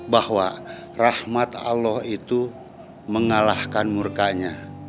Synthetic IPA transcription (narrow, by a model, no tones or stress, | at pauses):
bahwa | rahmat̪a̰lɔhit̪u | məŋalahkanmurkaɲa